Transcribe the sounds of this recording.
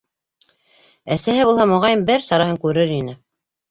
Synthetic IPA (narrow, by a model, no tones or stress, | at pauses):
æsæɦɘβulˠhɑmŏʁɑjɤmbɘɾsɑɾɑɦɤŋkʉɾɘɾinɘ